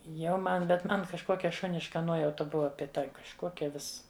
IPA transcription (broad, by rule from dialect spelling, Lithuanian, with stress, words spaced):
jɛʊ ˈmɐn bʲɛt ˈmɐn kɐʃˈkoːkʲɛ ˈʃʊnʲɪʃkɐ ˈnuɔjɛʊtɐ ˈbʊʋɐ bʲeːˈdɐ kɐʃˈkuɔkʲɛ ˈʋʲɪs